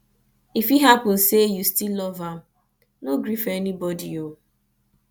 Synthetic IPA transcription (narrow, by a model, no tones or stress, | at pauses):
ifiɦapʊ̃nsejustilːɔva | noɡɾifɛnibɔdio